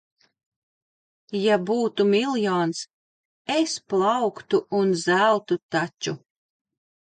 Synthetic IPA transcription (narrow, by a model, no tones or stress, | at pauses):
jabuːt̪umilˠjɔːns | esplˠɑwkt̪uːnzælˠt̪ut̪at͡ʃu